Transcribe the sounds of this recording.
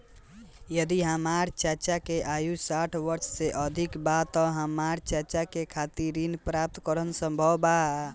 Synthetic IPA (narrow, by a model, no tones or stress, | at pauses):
jəd̪iɦəmaɾt͡ʃət͡ʃakeʔajusaʈʰʋəɾt͡ʃseʔəd̪ʱikbat̪ɔɦəmaɾt͡ʃəɾt͡ʃakekʰat̪iɾinpɾap̚t̪kəɾənsəmbʱəba